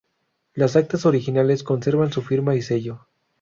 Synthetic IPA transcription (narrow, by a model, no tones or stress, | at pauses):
lasak̚t̪aso̞ɾixinale̞sko̞nse̞ɾβansufiɾmaise̞ʝo̞